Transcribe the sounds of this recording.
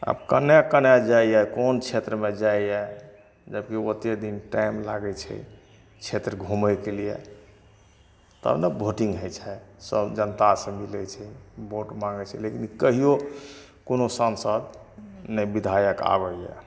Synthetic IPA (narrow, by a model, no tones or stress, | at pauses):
a̰bkənjakənjad͡ʒaijɛkont͡ʃʰet̪ɾəmed͡ʒaijɛ | d͡ʒəbkiot̪ed̪inʈaimlaɡɛt͡ʃʰɛ̰ | t͡ʃʰet̪ɾəɡʱuməjkelijɛ̰ | t̪ə̰bnebʱoʈiŋɡɦəjt͡ʃʰɛsəbd͡ʒənt̪asə̃milɛt͡ʃʰɛboʈmãŋɡɛt͡ʃʰɛlekinkəɦijokonosənsəd̪nɛbid̪ʱajəka̰bəjɛ̰